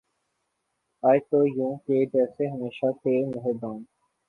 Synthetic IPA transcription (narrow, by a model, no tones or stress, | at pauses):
aːjt̪oːjũːkeːd͡ʒɛːseɦəmeːʃat̪eːmʊɦed̪ãːn